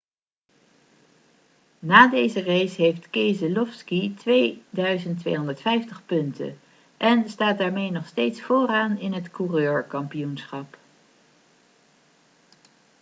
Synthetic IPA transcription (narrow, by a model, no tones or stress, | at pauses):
naːdejzərejsɦejftkejzəlɔfskitʋejdœɥzəntʋejɦɔndəɹtfɛjftəχpɵntə̰ | ʔɛnstaːt̚daːɹmejnɔχstejtsfoːɾaːnɪnɦətkurøːɹkɑmpijunsχɑp